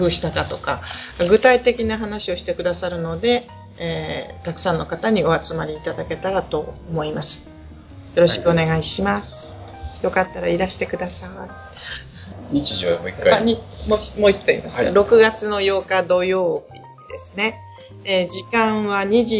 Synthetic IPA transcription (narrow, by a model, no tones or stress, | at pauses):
ɸɯ̟ːɕi̥t̪ak̪at̪o̞kaaɡɯ̟t̪ait̪e̞kʲinaɦanaɕio̞ɕi̥t̪e̞kɯ̟d̪asaɾɯ̟no̞d̪e̞ | et̪akɯ̟̥sãnːo̞kat̪aɲ̟io̞at͡sɨmaɾʲiːt̪ad̪ake̞t̪aɾat̪o̞omo̞imasɨ̥ | jo̞ɾo̞ɕi̥kɯo̞ne̞ɡaiɕimasɨ̥ | jo̞kat̪ːaɾaiɾaɕi̥t̪e̞kɯ̟d̪asa | ɲit͡ɕiʑimoikːaaɲimo̥moisɨ̥t̪o̞ḭmasɨ̥ka̰ɾo̞kɯ̟ɡat͡sɨno̞jo̞ːkad̪o̞jo̞ːb̥ʲḭ | d̪̥e̞sɨne̞ | ed͡ʑikãɰ̃βaɲ̟iʑi